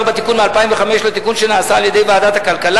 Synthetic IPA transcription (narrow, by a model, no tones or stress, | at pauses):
ʁbet̪ikunmealpaimveχameʃlet̪ikunʃenaːsaːljed̪ejvaːd̪at̪hakalkala